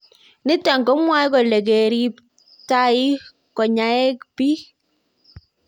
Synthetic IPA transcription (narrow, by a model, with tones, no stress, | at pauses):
nɪ˦ta˨ŋɡɔ˦mwa˦jkɔ˨lɛ˨ɡe˨ɾi˦p | ta˦i˦ | kɔ˨ɲa˨ɛ˦kpi˦